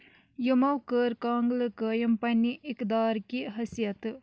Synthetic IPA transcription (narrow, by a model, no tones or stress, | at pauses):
jumɐwkəɾkaːŋɡlkəːjɐmpɐnːiʔikd̪aːɾkiɦɐsijɐt̪